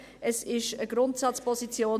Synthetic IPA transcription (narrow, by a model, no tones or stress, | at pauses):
ʔɛsɪʃəɡ̥ɾʊntsɑt͡spʰɔzit͡sjoː